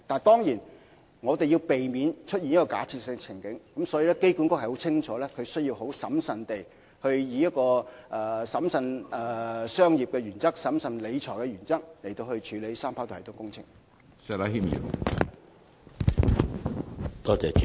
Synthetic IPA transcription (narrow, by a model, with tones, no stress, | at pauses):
t̪aː˨nt̪ɔː˥ŋjiː˨˩n | ŋɔː˨˧t̪e˨jiː˧wpe˨jmi˨˧nt͡ʃʰɵ˥t̚ji˨njɐ˥kːɔː˧ka̰ː˨˥t͡sʰiː˨˧t̚sɪ˧ŋ˧t͡sʰɪ˨˩ŋkɪ˨˥ŋkɐ˨˥msɔː˨˥ji˨˧lɛː˥ke˥jku˨˥nkʊ˥khɐ˨˩jho˨˥wt͡sʰɪ˥ŋt͡ʃʰɔː˨˥lɛː˥kʰɵ˨˧ɥsɵ˥ɥji˧wɦo˨˥wsɐ˨˥msɐ˨nt̪e˨j | hɵ˧ɥjiː˨˧jɐ˥t̚kɔː˧ʔɛ˧sɐ˨˥msɐ˧nɛ˨sœː˥ŋjiː˨˩p̚kɛː˧ɥyː˨˩nt͡sɐ˥k̚sɐ˨˥msɐ˨˧nle˨˧jt͡ʃʰɔː˨˩jkɛ˧ɥyː˨˩nt͡sɐ˥k̚le˨˩jt̪o˧whɵ˧ɥt͡ʃʰyː˨˧le˨˥jsaː˥mpʰaː˨˥wt̪t̪ʊ˥ŋkʊ˥ŋt͡sʰɪ̰˨˩ŋ | sɛ˧la˧˥ɦi˥mḭ˨˩˨ | t̪ɔː˥t͡sɛː˨t͡ʃ